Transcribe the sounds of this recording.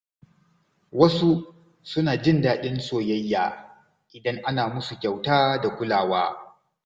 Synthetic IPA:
wɐ˦su˦ | sʊ˦naː˨d͡ʒɪ˦ndaː˦ɗɪ˦nsoː˨jɐ˦jːaː˨ | ʔɪ˨dɐ˦ŋʔa˦naː˨mʊ˦su˨kʲa˨wtaː˦da˨kʷʊ˦laː˨waː˦

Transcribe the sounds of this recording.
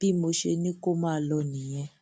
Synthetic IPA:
pi˦mu˨ʃe˦ni˦kʼu˦ma˨lɔ˨ni˨jɛ˦

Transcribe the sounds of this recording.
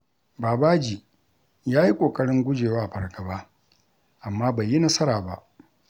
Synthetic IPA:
baː˨baː˦d͡ʒi˨ | jaː˦ji˦kʷʼoː˨kʼɐ˦ɽɪ˦ŋɡʷʊ˦d͡ʒeː˨waː˦ʔa˨ɸɐ˨rɡɐ˨baː˦ | ʔa˨mːaː˦ba˨jːi˦nɐ˦sɐ˦ɾaː˨ba̰˦ʔ

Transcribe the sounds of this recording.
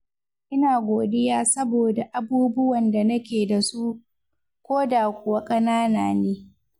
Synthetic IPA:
ʔɪ˦naː˨ɡʷoː˨dɪ˦jaː˦sɐ˦boː˨da˨ʔa˨buː˦bʊ˦wɐ˨nda˨nɐ˦kʲeː˨da˨su˦ | kʷoː˦daː˨kʷʊ˨wa˦kʼɐ˦naː˦naː˨neː˦

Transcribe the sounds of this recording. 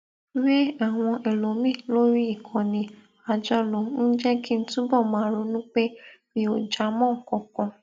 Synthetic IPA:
ɾe˦a˦˨w̃ɔ̃˧ʔe˨lo˨mĩ˦˨lo˦ɾi˦i˦˨kʰɔ̃˨nĩ˧ | a˨d͡ʒɔ˧˦lo˨n̩˦d͡ʒɛ˦ki˦n̩˦tũ˦bɔ˦˨mãː˨˦ɾo˧˦nũ˦k͡pe˦mĩ˧o˨d͡ʒa˨˦mɔ̃˦˨kɔ̃˨kɔ̃˧

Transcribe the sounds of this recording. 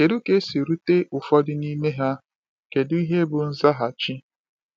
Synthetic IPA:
ke˨ɾu˦ke˦si˨ɾu˦te˦ʔʊ˨fɔ˦dɪ˦ni˦me˦ɦa˦ | ke˨dʊ˦i˦ɦe˦bʊ˨n̩˦za˦ɦa˨t͡ʃi˦

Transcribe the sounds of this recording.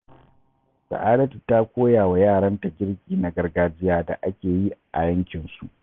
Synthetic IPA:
sɐ̰˨ʔaː˦dɐ˦tu˨ta˦kʷoː˦jaː˨wa˨jaː˦˨ɽɐ˦nta˨ɡʲɪ˦ɽkʲiː˨na˨˦ɡɐ˦rɡaː˦d͡ʒɪ˦jaː˦da̰˨ʔa˦kʲeː˨ji˦ʔa̰˨jɐ˦ŋkʲɪ˨nsu˨ʔ

